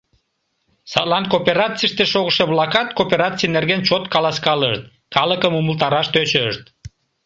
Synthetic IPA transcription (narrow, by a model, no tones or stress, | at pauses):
sɑt̪lɑnkopeɾɑt͡sijəʃt̪eʃoɣəʃeβlɑkɑt̪kopʲeɾɑt͡sijnerɣent͡ɕot̪kɑlɑskɑləʃt̪̚ | kɑləkəmuməlt̪ɑɾɑʃt̪øt͡ɕəʃt̪